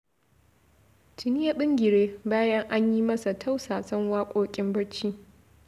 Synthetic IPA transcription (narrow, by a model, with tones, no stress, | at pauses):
tɪ˨nɪ˦ja˨ɓɪ˦ŋɡʲɪ˨ɽeː˦baː˦jɐ˦ŋʔa˦ɲji˦mɐ˦sa˨tʰa˦wsaː˨sɐ˦ŋwaː˦kʷʼoː˦kʲʼɪ˦mbɐ˦ɽt͡ʃiː˦